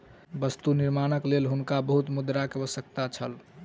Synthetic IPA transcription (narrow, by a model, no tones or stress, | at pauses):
bəst̪uniɾmanəklelɦunkabəɦut̪mud̪ɾakeəbəsək̚t̪at͡ʃʰəl